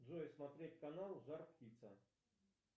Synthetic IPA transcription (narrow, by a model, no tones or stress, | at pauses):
d̪zɔjɛsmat̪ɾʲetʲkanalˠzarktʲit̪sɐ